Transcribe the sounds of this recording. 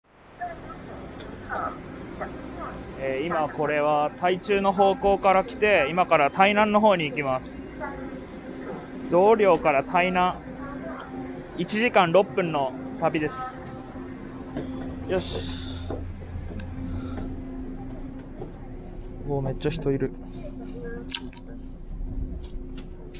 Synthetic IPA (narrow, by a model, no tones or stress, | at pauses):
eːimako̞ɾe̞β̞at̪ait͡ɕɨːno̞ɦo̞ːko̞ːkaɾakʲi̥t̪e̞imakaɾat̪ainãnːo̞ɦo̞ːɲ̟iːkʲimasɨ̥ | d̪o̞ːɾʲo̞ːkaɾat̪ʰainã | it͡ɕiʑikãnɾo̞pːɯ̟̃nːo̞ | t̪abʲid̪e̞sɨ̥ | joɕ | oːme̞t͡ɕːaçi̥t̪o̞iɾɯ̟